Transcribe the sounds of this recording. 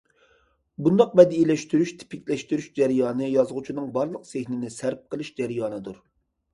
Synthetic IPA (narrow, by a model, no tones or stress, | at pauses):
bund̪ɑq̚bɛd̪ilɛʃt̪yɾyʃt̪ʰɪ̥pɪkʲlɛʃt̪yɾyʃd͡ʒæɾjɑːnɨjɑzʁʊt͡ʃʰinɨŋbɑɾlˠəqsehnɪnɪsæɾp̚qʰəlˠɨʃd͡ʒæɾjɑːnɨd̪uɾ